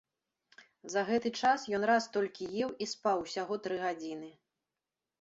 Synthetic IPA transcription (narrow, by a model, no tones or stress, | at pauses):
zɐɣɛt̪ɨt͡ʂasjɔnɾast̪ɔlʲkʲijɛwʔispawsʲaɣɔt̪ɾɨɣad͡zʲinɨ